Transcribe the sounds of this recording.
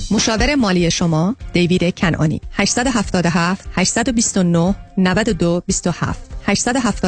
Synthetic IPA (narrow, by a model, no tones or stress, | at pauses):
moʃɒːveɾe̞mɒːliːje̞ʃomɒːd̪̥e̞jviːd̪ecʰænʔɒ̰ːnḭːhæʃsæd̪oɦæft̪ɒːd̪oɦæft̪hæʃsæd̪obist̪onohnævæd̪od̪obist̪o̞hæ̰ft̪hæʃsæd̪oɦæft̪ɒː